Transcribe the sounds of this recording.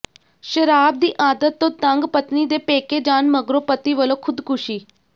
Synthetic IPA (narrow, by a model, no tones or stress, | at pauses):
ʃəɾaːb̚d̪iːʔaːd̪ət̪ːõːt̪əŋɡpət̪niːd̪eːpeːkeːd͡ʒaːnməɡɾoːpət̪ːiːʋəlõːkʰʊd̪kʊʃiː